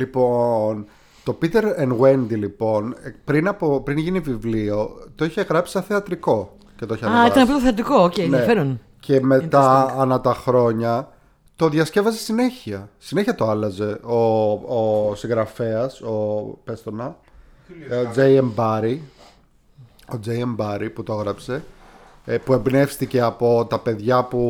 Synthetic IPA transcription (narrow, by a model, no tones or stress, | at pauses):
lipo̞n | t̪o̞pit̪e̞ɾenɣwe̞nd̪ilipo̞npɾinɐpopɾinʝinivivlio̞t̪o̞içe̞ɣɾɐpsi̥sɐθeɐt̪ɾiko̞ | ce̞t̪oiçeɐnit̪ɐnɐpot̪oθeɐt̪ikoocenɐefeɾon | cʰe̞me̞t̪ɐɐnɐt̪ɐxɾo̞ɲɐ | t̪o̞ðʝɐsce̞vɐzesine̞çiɐsine̞çiɐt̪oɐlɐze̞oː | sĩŋɣɾɐfe̞ɐso̞pe̞st̪o̞nɐ | od͡zejembɐɾi | o̞d͡zejɐmbɐɾiput̪oɣɾɐpse̞ | pue̞mbne̞fst̪ice̞ɐpo̞t̪ɐpe̞ðʝɐpu